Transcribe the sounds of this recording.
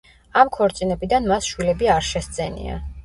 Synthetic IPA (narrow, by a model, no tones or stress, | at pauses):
amkʰɔɾt̪sʼinɛbid̪anmasʃwilɛbiaɾʃɛst̪z̥ʼɛnḭa̰